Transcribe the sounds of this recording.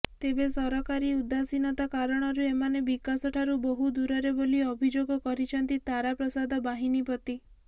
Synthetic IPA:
t̪ebesɔɾɔkaɾiud̪asinɔt̪akaɾɔɽ̃ɔɾuemanebikasɔʈʰaɾubɔɦud̪uɾɔɾeboliɔbʱid͡ʒoɡɔkɔɾit͡ʃʰɔnt̪it̪aɾapɾɔsad̪ʱɔbaɦinipɔt̪i

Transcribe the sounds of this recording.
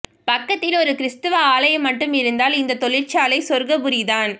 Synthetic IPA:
pɐkːɐt̪ːɪlɔɾɯkɪɾɪst̪ɯʋaaːlɐjɐmːɐʈːɯmɪɾɯnd̪aːlɪnd̪ɐt̪ɔɭɪrt͡ʃaːlɐɪsɔɾɣɐbʊɾiðaːn

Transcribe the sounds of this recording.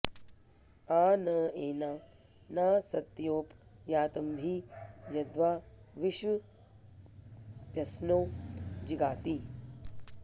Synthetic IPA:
aːnɐeːnaː | naːsɐt̪joːpjaːt̪ɐmbʱijɐd̪ʋaːʋiʃu | pjɐsnoːd͡ʒiɡaːt̪i

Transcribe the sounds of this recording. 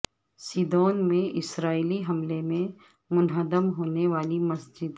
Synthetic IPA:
siːd̪oːnmẽʔɪsɾaːiliɦɐmlemẽ | mʊnɦəd̪əmɦoːneʋaːlimɐsd͡ʒɪd̪

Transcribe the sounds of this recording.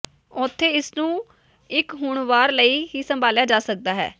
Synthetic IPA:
ɔːt̪ʰːeːɪsnũː | ɪkɦʊːɳʋaːɾləiːɦiːsəmbʱaːljaːd͡ʒaːsək̚d̪aːɦɛ̰ː

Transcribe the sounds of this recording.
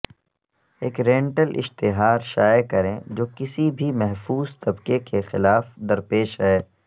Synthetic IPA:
eːkɾɛ̃ːɳʈəlʔɪ̰ʃt̪ɪɦaːɾʃaːjekɐɾẽːd͡ʒoːkɪsibʱimɛɦfuːzt̪ɐbkekexɪlaːfd̪ɐɾpeːʃɦɛː

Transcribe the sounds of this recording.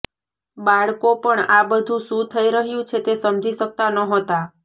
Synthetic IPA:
baɭkopəɳabəd̪ʱũsũt̪ʰəiɾəɦjũt͡ʃʰet̪esəmd͡ʒiʃək̚t̪anəɦot̪a

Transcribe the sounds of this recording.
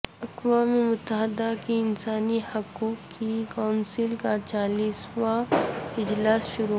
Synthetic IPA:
ɐkwaːmemʊt̪ːəɦɪd̪akiɪnsaːnihɐkuːkːikaʊnsɪlkat͡ʃaːliːswaɪd͡ʒlaːsʃʊɾu

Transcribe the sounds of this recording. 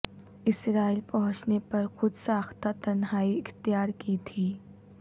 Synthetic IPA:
ɪsɾaːilpɐɦʊ̃t͡ʃnepɐɾxʊd̪saːxt̪at̪ɐnɦaːiɪxt̪jaːɾkit̪ʰiː

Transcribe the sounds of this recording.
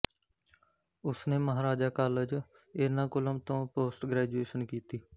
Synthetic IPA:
ʊsneːməɦaːɾaːd͡ʒaːkaːled͡ʒ | enãːkʊləmt̪õːpoːsʈɡɾɛːd͡ʒueːʃənkiːt̪iː

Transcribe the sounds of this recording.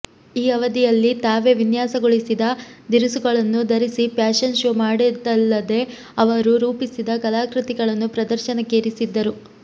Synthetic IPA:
iːɐʋɐd̪ijɐlːit̪aːʋe̞ʋinjaːsɐɡoɭisid̪ɐd̪iɾusuɡɐɭɐnːud̪ɐɾisipjaːʃɐnʃoːmaːɽid̪ɐlːɐd̪e̞ | ɐʋɐɾuɾuːpisid̪ɐkɐlaːkɾit̪iɡɐɭɐnːupɾɐd̪ɐɾʃɐnɐkeːɾisid̪ːɐɾu

